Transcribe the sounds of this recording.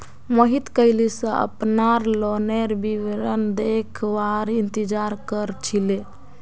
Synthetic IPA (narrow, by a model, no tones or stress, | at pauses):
məɦit̪kəɪlisə̃ʔə̰pnaɾloneɾbiʋɾənd̪ekʰbaɾint̪id͡ʒaɾkəɾt͡ʃʰile